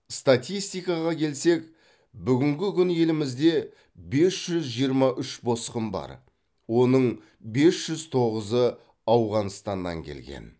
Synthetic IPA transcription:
st̪at̪ʲijst̪ijkɑʁɑkʲʰe̞lse̞k | bʏɡʲɪŋɡʲɪkʲʰʏnje̞lɪmɪzd̪e̞ | be̞sʒ̥ʏzʒijəɾmɑʔʏʃbo̞sqəmbɑ̰ɾ | wo̞nəɴ | be̞sʒ̥ʏzt̪ʰo̞ʁəzə | ɑwʁɑnst̪ɑnːɑ̰ŋkʲʰe̞̰lɡʲḛn

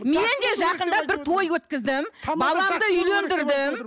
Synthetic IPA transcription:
me̞nd̪e̞ʒɑqənd̪ɑbɪɾt̪ʰo̞jwɵt̪kʲɪzd̪ɪmbɑlˠɑmd̪əʏjle̞nd̪ɪɾd̪ɪm

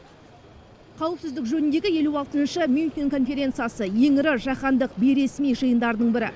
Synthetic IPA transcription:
qʰɑwəpsɪzd̪ɪkʒɵnɪnd̪e̞ɡʲɪje̞luɑlˠt̪ənʃəmʲjunt̪ʲiŋkʰo̞nfe̞ɾʲe̞nt̪sɨjasəje̞ŋɪɾɪʒɑqɑnd̪əq̚be̞jɾe̞smijʒəjənd̪ɑɾd̪əɴbɪɾɪ̰

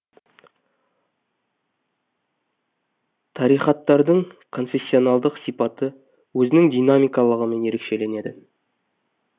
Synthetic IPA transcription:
t̪ʰɑɾijχɑt̪ːɑɾd̪əɴkʰo̞nfe̞sʲːio̞nɑlˠd̪əqsijpɑt̪ə | wɵzɪnɪŋd̪ijnamijkɑlˠəʁəme̞nje̞ɾe̞kʃe̞le̞ne̞d̪ɪ

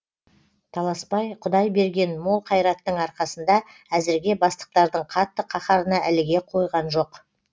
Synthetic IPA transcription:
t̪ʰɑlˠɑspɑjqʰʊd̪ɑjbe̞ɾɡʲe̞nmo̞lˠqʰɑjɾɑt̪ːəɴɑɾqɑsənd̪ɑæzɪɾɡʲe̞bɑst̪ə̥q̚t̪ɑɾd̪əɴqʰɑt̪ːəqʰɑχɑɾənɑʔælɪɡʲe̞qʰo̞jʁɑnʒo̞q

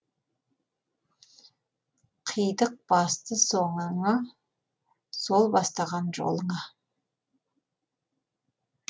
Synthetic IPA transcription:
qʰəjd̪əq̚b̥ɑst̪əso̞ɴəɴɑ | so̞lˠbɑst̪ɑʁɑnʒo̰lˠəɴɑ

